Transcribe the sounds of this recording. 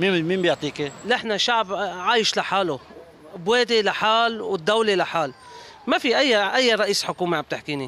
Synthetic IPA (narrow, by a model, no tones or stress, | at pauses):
mimiːmbjʊʕt̪ˤiːkelʔɪħnaʃaʕbʕaːjɪʃlaħaːlʊ | bweːd̪ilaħaːlwɪd̪ːawlelaħaːl | mafiʔajːaʔajːaɾˤɑʔiːsħʊkuːmeʕamb̚t̪ɪħkiːni